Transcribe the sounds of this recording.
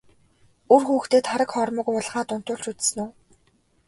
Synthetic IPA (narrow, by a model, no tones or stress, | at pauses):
urxuːxt̪eːt̪χaɾə̆kχɔrmə̆kʊɮχaːt̪ʊn̥t̪ʊːɮt͡ɕut͡s̪s̆nuː